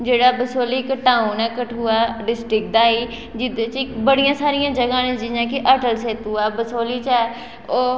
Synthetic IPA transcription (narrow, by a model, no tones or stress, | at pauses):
d͡ʒeːɽaːbəsoːliːkəʈaːunɛːkəʈʰuːaːɖɪsʈɾɪk̚d̪aːiː | d͡ʒɪd̪et͡ʃːbəɽijãːsaːɾɪjãːd͡ʒəɡãːnẽd͡ʒɪjãːkɪʔəʈəlseːt̪uːɛːbəsoːliːt͡ʃɛː | oː